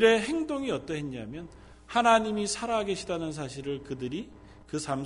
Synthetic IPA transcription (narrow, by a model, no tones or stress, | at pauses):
ɾe̞ɦe̞ŋdoŋiʌt͈ʌɦenɲamjʌn | hanaɲimisʰaɾaɦɡe̞ɕʰidanɯns̬ʰaɕʰiɾɯɭkɯdɯɾi | kɯsʰam